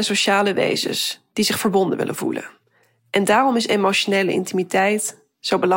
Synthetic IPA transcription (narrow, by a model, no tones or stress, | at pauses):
əsoʃaːləʋḛjzə̰nsd̥izɪχfəɹbɔndənʋɪ̰lʔə̰nvṵlə̰n | ʔɛndaːrɔmɪsemowʃonejləʔɪ̰ntimitɛjt | z̥owbəlɑ